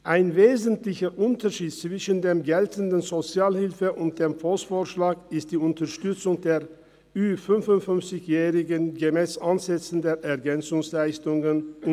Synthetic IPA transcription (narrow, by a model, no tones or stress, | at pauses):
ʔaɪnveːzən̩tlɪçɐʔʊntʰɐʃiːt̚t͡sv̥ɪʃən̩deːmɡɛltən̩dn̩zot͡sjaːlhɪlfəʔʊnt̚d̥eːmfosfoːɐʃlaːkɪst̚d̥iːʊntɐʃtʏt͡sʊŋdeːɐ | yːfʏnfʊntfʏnft͡sɪçjɛːʁɪɡənɡəmɛːsʔanzɛt͡sn̩deːɐʔɛɐɡɛnt͡sʊŋslaɪstʊŋən